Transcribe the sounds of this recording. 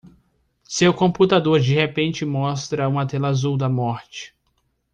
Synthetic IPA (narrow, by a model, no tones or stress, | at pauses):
sewkõput̪ad̪oɾd͡ʒihepẽnt͡ʃɪmɔst̪ɾɐũmɐt̪ɛlazuwd̪ɐmɔɾt͡ʃɪ̥